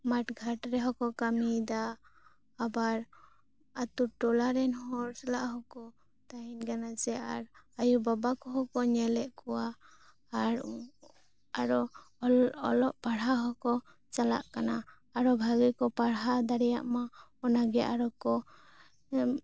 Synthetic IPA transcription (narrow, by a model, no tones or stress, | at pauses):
maʈɡʱaʈɾɛɦɔkɔkamid̪aː | baɾ | at̪uʈɔlaɾɛnɦɔɾsalaʔɦɔkɔ | t̪aɦinkanat͡ʃɛa̰ɾajubabakɔɦɔkɔɲɛlɛʔkɔwaː | ɾ | aɾɔ | ɔlɔʔpaɽɦaɦɔkɔ | t͡ʃala̰ʔkana | aɾɔbʱaɡikɔpaɽɦad̪aɽɛja̰ʔmaɔnaɡɛja̰ʔaɾɔkɔ